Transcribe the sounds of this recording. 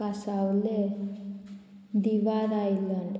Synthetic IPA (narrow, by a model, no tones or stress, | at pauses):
asaʋle | d̪iʋad̪ailaɳɖ